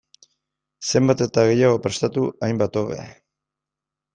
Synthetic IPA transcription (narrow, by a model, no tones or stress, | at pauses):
se̞mbat̪e̞t̪aɣ̞e̞jaɣ̞o̞pɾe̞st̪at̪uajmbat̪o̞βe̞̰